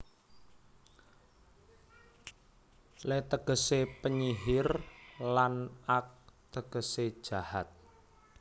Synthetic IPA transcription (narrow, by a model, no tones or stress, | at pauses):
lɛt̪əɡ̥ə̤sepəɲiɦɪrlanak̚t̪əɡ̥ə̤se̥ʒ̥a̤hat̪̚